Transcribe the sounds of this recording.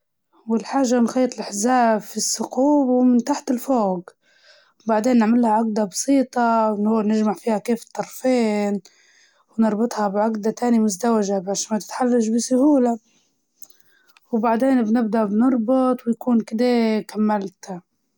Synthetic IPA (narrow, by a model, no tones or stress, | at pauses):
wɪlħaːʒːamɪnxɑjːɑt̪ɪlʔaħzaːbfisːʊquːbwmɪnt̪aħt̪ɪlfoːɡ | baʕd̪eːnːɪʕmɪlhaʕaɡd̪abɑsˤiːt̪ˤɑwnhʊːnɪʒmaʕfiːhakeːfɪ̥t̪ˤːɑɾˤfeːn | wnɨɾˤbɨt̪ˤhɑbʕaɡd̪at̪aːnimʊzd̪awaʒabaʃmat̪ɪ̥t̪ħalːaʃbisʊhuːla | wbaʕd̪eːnbnɪbd̪aʔbnɨɾˤbʊt̪ˤwɪjakuːnkɪd̪akamːalt̪